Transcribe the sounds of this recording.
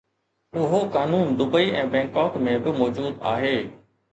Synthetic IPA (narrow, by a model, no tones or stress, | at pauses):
ʊɦokaːnuːnd̪ʊbəiɛ̃ːbɛ̃ːŋkɔːkmẽbɪmɔːd͡ʒuːd̪a̰ːɦeː